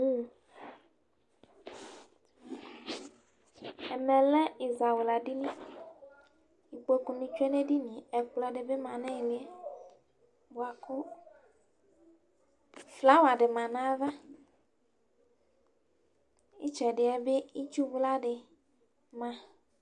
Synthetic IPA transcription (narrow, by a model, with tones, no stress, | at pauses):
u˦˨ | e˨mẽ˨lɛ˦i˨za˨we˨la˨ɖi˦nĩ˦ | i˨k͡po˦kũ˨nĩ˨t͡ʃu˦e˦ne˦ɖi˦nĩ˨e˨k͡plɔ˦ɖe˨be˦mã˨nɛ̃˦i˨li˦e˦ | bo˨a˨ku˦ | fla˦wa˨ɖe˨mã˨nã˦va˦ | i˦t͡ʃɛ˨ɖɪ˨ɛ˦be˦i˦t͡ʃu˦vu˦la˦ɖe˨ | mã˨